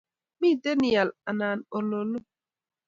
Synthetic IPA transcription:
mi˦˨de˦ni˨ja˨la˨na˨no˨lo˨lu˦

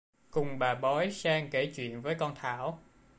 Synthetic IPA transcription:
kʊ˨˩ŋ͡mɓaː˨˩ɓɔ˨˦jsaː˧ŋke˧˩t͡ɕwḭ˧˨ənvəː˨˦jkɔ˧nt̪ʰa̰ː˧˩˨w

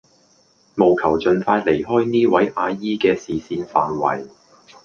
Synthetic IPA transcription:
mo˨wkʰɐ˨˩wt͡ʃɵ˨nfaː˧jle˨˩jɦɔː˥jniː˥wɐ˨˥jʔaː˧jiː˥kɛː˧siː˨siː˧nfaː˨nwɐ̰˨˩j

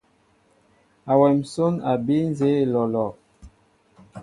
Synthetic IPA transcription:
a˨wɛ˨m̩˨so˦na˨bi˦n˦ze˦˨lɔ˨lɔ˨

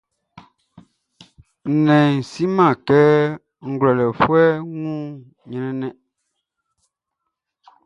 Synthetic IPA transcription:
nɛ̃˨n̩˨si˦mã˦˨kɛ˦ | ŋ̩˨ɡlɔ˨lɛ˨fwɛ˦ŋũː˦˨ | ɲɛ˨nɛ˦nɛ˦ʔ

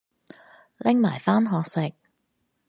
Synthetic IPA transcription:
lɪ˥ŋma̰ː˨˩jfaː˥nɦɔː˧k̚sɪ˨k̚

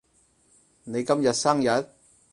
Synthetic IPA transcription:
ne˨˧jkɐ˥mjɐ˨t̚sɐ˥ŋjɐ˨˥t̚

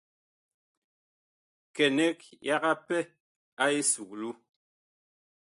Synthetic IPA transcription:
kɛ˨nɛ˦k̚ja˦ɣa˦pɛ˦ | a˦e˦su˨k̚lu˦

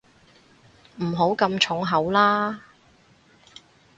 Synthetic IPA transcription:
m̩˨˩ɦo˨˥wkɐ˧mt͡ʃʰʊ˨˥ŋɦɐ˨˥wlaː˥

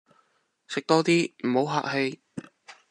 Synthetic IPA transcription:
sɪ˨k̚t̪ɔː˥t̪iː˥m̩˨˩ho˨˥wɦa̰ː˧˨k̚he˧j

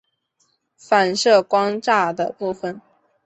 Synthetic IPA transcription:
fa˨˩nʂɤ˥˩kwɑ˥ŋʈ͡ʂa˥˩d̪ə˩pu˥˩fə˨˩n

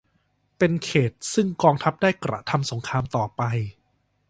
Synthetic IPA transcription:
pe˧nkʰeː˨˩t̪̚sɯ˥˩ŋkɔː˧ŋt̪ʰa˦˥p̚daː˥˩jkɾa̰˨˩t̪ʰa˧mso˩˦ŋkʰɾaː˧mt̪ɔː˨˩pa˧j

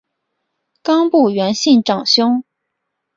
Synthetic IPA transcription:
kɑ˥ŋpu˥˩ɥɛ˧˥nɕi˥˩nʈ͡ʂɑ˨˩ŋɕjʊ˥ŋ

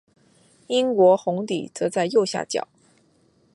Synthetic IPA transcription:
i˥ŋkwɔ˧˥xʊ˧˥ŋt̪ḭ˨˩t͡sɤ˧˥t͡sa˥˧ɪjo˥˧ʊɕja̰˥˩t͡ɕjɑ̰˨˩˦

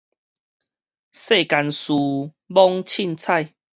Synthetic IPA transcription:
se˥˧˨ka˧nsu˨˧ | bɔ˦ŋt͡ɕʰi˥˧nt͡sʰa˥˧j

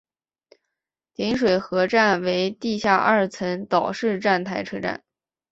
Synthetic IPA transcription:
t̪i˧˥nʂ̬we˨˩ɪxɤ˧˥ʈ͡ʂa˥˩nwe˧˥ɪt̪i˥˧ɕja˥˧ʔɐ˥˩t͡sʰə˧˥nt̪ɑ˨˩ʊʂɻ̩˥˧ʈ͡ʂa˥˩nt̪ʰa˧˥ɪʈ͡ʂʰɤ˥ʈ͡ʂa̰˥˩n

